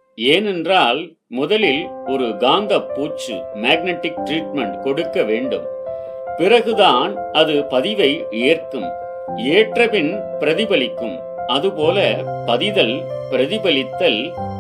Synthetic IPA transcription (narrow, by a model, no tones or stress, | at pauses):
eːnɛndraːl | mʊðɐlɪlɔɾɯɡaːnd̪ɐpːuːt͡ʃːɯ̰meːɡ̚nɛʈːɪk̚ʈɾiːʈmɛɳʈkɔɽɯkːɐʋeːɳɖɯ̰m | pɪrɐɣɯðaːn | ɐðɯpɐðɪʋɐɪ | eːrkɯm | eːʈrɐpɪnpɪɾɐðɪbɐlɪkːɯ̰m | ɐðɯpoːlɐpɐðɪðɐl | pɪɾɐðɪbɐlɪt̪ːɐl